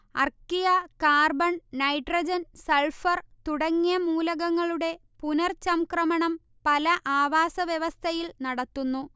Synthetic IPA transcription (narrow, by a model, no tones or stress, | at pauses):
ɐ̰rkijɐkaːrbɐɳnɐjʈrɐd͡ʑɐnseɭfɐrt̪uɽɐŋːijɐmuːlɐɣɐŋːɐɭuɽe̞ | punɐrt͡ɕɐmkrɐmɐɳɐm | pɐlɐʔaːʋaːsɐʋjeʋɐst̪ʰɐjilnɐɽɐt̪ːunːu